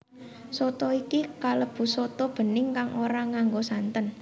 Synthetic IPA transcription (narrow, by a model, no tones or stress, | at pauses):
sot̪ɔikikaləb̥ṳsot̪ɔb̥ə̤nɪŋkaŋʔoɾaŋaŋɡosant̪ən